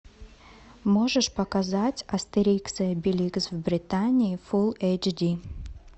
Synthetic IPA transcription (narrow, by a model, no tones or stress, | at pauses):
moʐɨʂpɐkɐzatʲɐst̪ɪɾʲikt̪sɨjəbʲɪlʲiɡsvbɾʲɪt̪anʲɪːfulˠejt͡ʃdʲi